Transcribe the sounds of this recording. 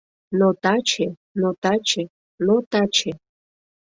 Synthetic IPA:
not̪at͡ʃʰe | not̪at͡ʃʰe | not̪at͡ʃʰe

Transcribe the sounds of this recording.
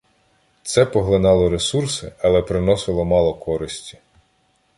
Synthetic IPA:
t̪sɛpɔɦlˠɪnɑlˠɔɾesursɪɐlˠɛpɾɪnɔsɪlˠɔmɑlˠɔkʰɔɾɪsʲtʲi̥

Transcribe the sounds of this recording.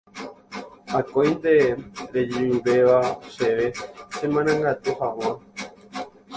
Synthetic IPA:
akõjnt̪e̞ɾed͡ʒiimbe̞ʋaseʋe̞sẽmãnãŋɡat̪uhãw̃ã

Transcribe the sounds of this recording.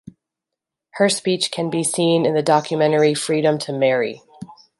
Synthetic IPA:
hə˞spit͡ʃkʰɨ̃nbisĩnɨ̃nðɨdɑkʰjɨmɛ̃ɾ̃ə˞ifɹiɾɨ̃mtʰɨmɛɹḭ

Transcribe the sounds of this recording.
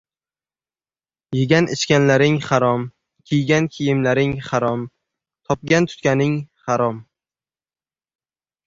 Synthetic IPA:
jɪɡʲanɪt͡ʃkʲanlaɾɪŋχaɾɒm | kʲʰijɡʲankʲʰijɪmlaɾɪŋχaɾɒm | t̪ʰɒp̚ɡʲant̪ʰʊ̥t̪kʲanɪŋχaɾɒm

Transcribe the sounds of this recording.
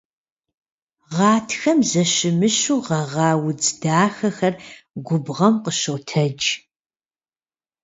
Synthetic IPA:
ʁɑːtʰxɐmzɐʃɪmɨʃuːʁɐʁɑːwʊd͡zdaːxɐxɐrɡʷʊbʁɐmqəɕowtʰɐd͡ʒ

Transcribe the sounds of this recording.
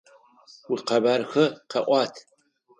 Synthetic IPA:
wiqɐbarxɐqʰɐʔʷɑːtʰ

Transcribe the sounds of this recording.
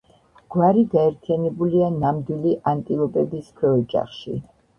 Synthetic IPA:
ɡ̥waɾiɡaɛɾt̪ʰijanɛbulianamd̪wiliʔant̪ʼilˠɔpʼɛb̪iskʰwɛɔd͡ʒʼa̰χʃḭ

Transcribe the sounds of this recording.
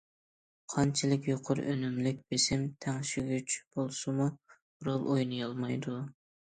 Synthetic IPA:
qʰɑnt͡ʃʰilɪkʲjoqʰʊɾ̰ʔønymlɪk̚ʲb̥esɪmt̪ʰæŋʃyɡʲyt͡ʃb̥olˠsɨmu | ɾolˠʔojnɨjɑlˠmɑjd̪u

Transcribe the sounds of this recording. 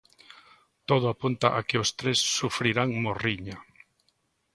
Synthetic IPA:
t̪oðʊapunt̪aʔakeost̪ɾesːufɾiɾaŋmoriɲa

